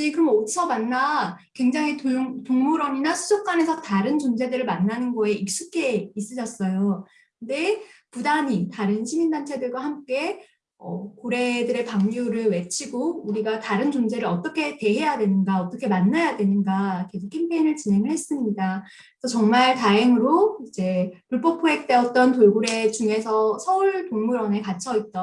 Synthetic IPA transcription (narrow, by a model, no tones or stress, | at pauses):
d͡ʑikɯɾʌmosʰʌmanːa | kwe̞ŋd͡ʑaŋɦitŋtoŋmuɾʌɲinasʰud͡ʑʌk̚k͈wane̞sʰʌtaɾɯnt͡ɕond͡ʑe̞dɯɾɯɭmanːanɯnɡʌe̞ik̚s͈ukʰe̞is͈ɯd͡ʑʰʌs͈ʌjo | kɯnde̞pudaɲitaɾɯnɕʰimindant͡ɕʰe̞dɯɭɡwahamk͈e̞ | ʌkoɾe̞dɯɾe̞paŋɡjoɾɯɭwe̞t͡ɕʰiɡouɾiɡataɾɯnt͡ɕoŋd͡ʑe̞ɾɯɾʌt͈ʌkʰe̞te̞ɦe̞jadwe̞nɯnɡaʌt͈ʌkʰe̞manːajadwe̞nɯnɡake̞sʰokʰimpʰeinɯɭt͡ɕinɦe̞ŋɯɭhe̞s͈ɯmɲida | sʰʌt͡ɕʌŋmaɭtaeŋɯɾoid͡ʑe̞puɭp͈ʌpʰoek̚t͈e̞ʌt̚t͈ʌnt̬oɭɡuɾe̞t͡ɕuŋe̞sʰʌsʰʌuɭtoŋmuɾʌne̞kat͡ɕʰʌit̚t͈ʌ